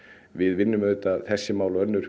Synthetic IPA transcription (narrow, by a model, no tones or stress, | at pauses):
vɪðvɪnːʏmœt̪aθɛsːɪmaːwlœnːʏɾ̥